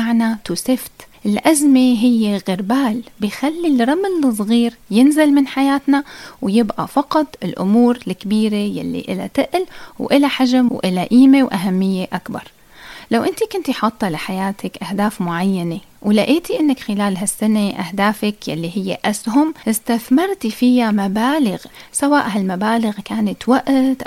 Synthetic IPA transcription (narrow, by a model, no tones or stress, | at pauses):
aʕnat̪uːsɪft̪ʔɪlʔazmeɦɪjːeɣɪɾbaːlbɪjxalːilɾˤɑmɪlɨs̬ˤɣiːɾjɪnzɪlmɪnħajaːt̪nawjɪbʔa̰fɑqɑt̪ˤɪlʔʊ̰muːɾlkːbiːɾeja̰lːḭʔɪ̰la̰t̪ɪʔlwʔɪlaħaʒamwʔɪlaʔiːmewʔaɦamːɪjːeʔakbɑ̰ɾˤ | lawʔɪnt̪ikʊnt̪jħɑt̪ˤːɑlɪħajaːt̪ʰakʔahd̪aːfmʊʕajːanewlaʔiːt̪iʔɪnːakxɪlaːlɦasːaneʔahd̪aːfakja̰lːiɦɪjːḛʔasɦʊmʔɪst̪aθmɪɾˤt̪ifɪjamabaːlɪɣsawaːʔɦalmabaːlɪɣkaːnat̪waʔt̪ʔ